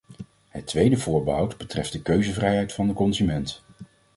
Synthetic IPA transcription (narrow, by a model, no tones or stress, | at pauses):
ɦətːʋejdəvʊːɹbəɦɑwdbətrɛft̚dəkøɥzəvrɛjɦɛjtfɑndəkɔnzymɛnt